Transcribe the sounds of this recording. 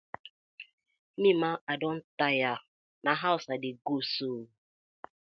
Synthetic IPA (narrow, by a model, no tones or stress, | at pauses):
nimaadɔn̩taja | naɦaʊsadɪɡoso